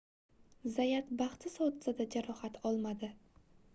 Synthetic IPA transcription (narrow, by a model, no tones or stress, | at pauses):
zajat̪baχt̪ʰɪsɒwt̪ɪ̥sad̪ad͡ʒaɾɒhat̪ʰɒlˠmad̪ɪ